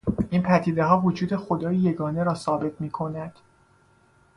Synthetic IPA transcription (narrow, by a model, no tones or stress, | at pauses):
ʔiːnpʰæɾt̪ʰiːd̪e̞ɦɒːvod͡ʒuːd̪e̞xo̞d̪ɒːjije̞ɡɒːne̞ɾɒːsɒːbe̞t̪ʰmiːkʰo̞næd̪̥